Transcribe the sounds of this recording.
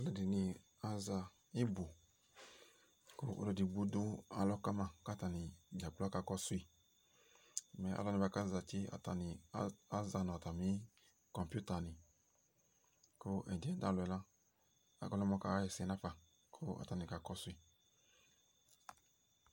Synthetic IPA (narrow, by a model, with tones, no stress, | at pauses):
a˦lɛ˦˨di˨nĩ˧ | a˨za˧ | i˦bo˨ | ko˦o̰˦dɔ˧˨di˨ɡ͡bu˦du˦a̰˨lɔ˦ka˦mã˧ka˦ta˨nĩ˨d͡ʒa˨k͡pla˦ka˨˧˨kɔ˦su˦i˦˨ | mɛ̃˨ʔa̰˨lɔ˦nĩ˧ba˧˦ka˦za˨t͡ʃi˦a̰˨ta˨nĩ˨˦a˦za˧nɔ˨ta˨mĩ˦ | kɔ̃˨mpu˦ta˨nĩ˨ | ko˦ʔɛ˨d͡ʒɛ̃˨˦dã˦˨lɛ˨la˦ | a̰˨ɡɔ˧lɔ˦mɔ̃˧˦ka˨˦jɛ˨sɛ˨˦nã˦fa˨ | kʰo˦a̰˨ta˨nĩ˨ka˨kɔ˦su˦i˦˨